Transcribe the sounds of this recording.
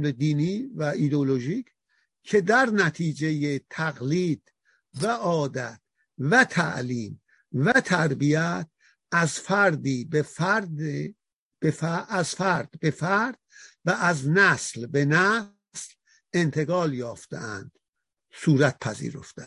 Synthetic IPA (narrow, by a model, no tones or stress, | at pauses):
led̪iːniːvæid̪eoloʒicʰ | kʰe̞d̪æɾnæt̪ʰiːd͡ʒejet̪ʰæɣliːd̪̥ | væʔɒːd̪æt̪̚ | væt̪ʰæ̰ʔliːm | væt̪ʰæɾbiæt̪̚ | æzfæɾd̪iːbefɾd | befæʔæzfæɾd̪̥be̞fæɾd̪̥̚væʔːznæslbenæ | sl | e̞nt̪ʰe̞ɣɒːljɒːft̪ḛæ̰nd̪̥ | suːɾæt̪̚pʰæzḭːɾo̞̰ft̪e